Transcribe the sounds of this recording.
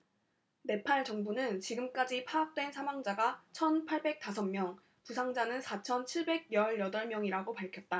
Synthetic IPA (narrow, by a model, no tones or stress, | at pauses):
ne̞pʰaɭt͡ɕʌŋbunɯnt͡ɕiɡɯmk͈ad͡ʑipʰaːk̚t͈we̞nsʰamwaŋd͡ʑaɡat͡ɕʰʌnpʰaɭbe̞k̚t͈asʰʌmmjʌŋ | pusʰaŋd͡ʑanɯnsʰat͡ɕʰʌnt͡ɕʰiɭbe̞ɡ̚jʌɭjʌdʌɭmjʌŋiɾaɡopaɭkʰjʌt̚t͈a